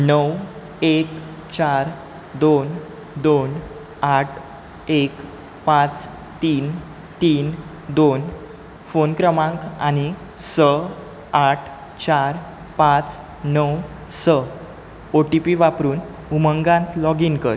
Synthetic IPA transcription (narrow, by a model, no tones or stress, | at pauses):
nəw | ek | t͡ɕaɾ | d̪on | d̪on | aʈʰ | ek | pãt͡s | t̪iːn | t̪iːn | d̪on | fonkɾəmãŋkañi | sə | aʈʰ | t͡ɕaɾ | pãt͡s | nəw | sə | oʈipiʋapɾuːn | uməŋɡãnt̪lɔɡinkə̰ɾ